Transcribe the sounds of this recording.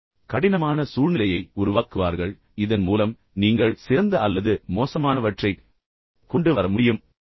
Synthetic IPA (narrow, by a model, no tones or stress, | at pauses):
kɐɽɪnɐmaːnɐsuːɻnɪlɐjɐɪʊɾʊʋaːkɯʋa̰ːɾɣɐɭ | ɪðɐnmuːlɐm | niːŋɡɐɭsɪɾɐnd̪ɐɐlːɐðɯmoːsɐmaːnɐʋɐʈrɐɪ | kːɔɳɖɯʋɐɾɐmʊɽɪjɯm